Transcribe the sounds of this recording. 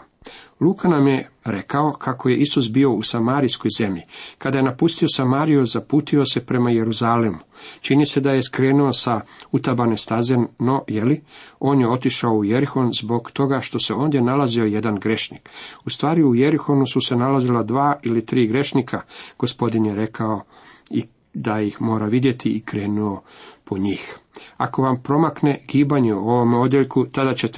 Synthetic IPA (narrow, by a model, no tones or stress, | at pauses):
luːkanamje̞ɾe̞kao̞kʰako̞je̞ʔisus̬bio̞usamaːɾijsko̞jze̞mʎikad̪aje̞napust̪io̞samaːɾijozapuːt̪io̞se̞pɾe̞maje̞ɾuzaːlemut͡ʃinise̞d̪aje̞skɾeːnuo̞saut̪abanest̪azenno̞jelio̞ːnje̞o̞t̪iʃaouje̞ɾixo̞nzbo̞ɡt̪o̞ɡaʃt̪o̞se̞o̞ːnd̪je̞nalazio̞je̞d̪anɡɾe̞ʃnḭkust̪ʋaːɾiuje̞ɾixo̞nususe̞nalazilad̪ʋaːʔilit̪ɾiːɡɾe̞ʃnikʰaɡ̥o̞spo̞d̪injeɾe̞kʰao̞ | i | d̪ajixmo̞ːɾaʋid̪je̞t̪ʰiikɾe̞ːnuo̞pʰo̞ɲiːxa̰ko̞ʋampɾo̞makne̞ɡ̥iːbaɲeuo̞ʋo̞meo̞d̪jeʎkut̪ad̪at͡ɕet̪